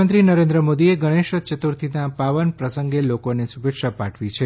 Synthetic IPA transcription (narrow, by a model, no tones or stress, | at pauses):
ənt̪ɾinəɾẽnd̪ɾəmod̪ieɡəɽ̃eʃət͡ʃət̪uɾt̪ʰinapaʋənpɾəsəŋɡelokonesubekʃapaʈʰʋit͡ʃʰe